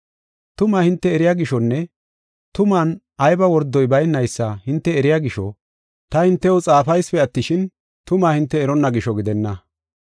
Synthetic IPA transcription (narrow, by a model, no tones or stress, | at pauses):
t̪ʊmaːhɪnt̪ːɛɛɾɪjaːɡɪʃɔnːɛ | t̪ʊmaːn | ɐjbɐwɔɾd̪ɔjbɐjnːɐjsːɐhɪnt̪ːɛːɾɪjaɡɪʃɔ | t̪ɐhɪnt̪ːɛwɔt͡sʼaːfɐjspɛɐt̪ːɪʃɪn | t̪ʊmaːhɪnt̪ːɛːɾɔnːɐɡɪʃɔɡɪd̪ɛnːɐ